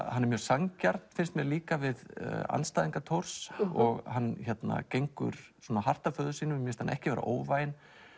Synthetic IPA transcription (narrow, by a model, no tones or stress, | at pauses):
hanɛɾmjœːɾsaŋcaɾt̪n̥fɪnst̪mjɛliːkavɪða̰nst̪aːjðiŋkat̪ʰoɾ̥sɔɣɦanːçɛt̪na̰cejŋkʏ̰ɾ̥sɔːnaɦar̥t̪afœːðʏsiːnʏmjɛst̪hanɛ̰hcɪvɛɾa̰ʔoːwvajɪn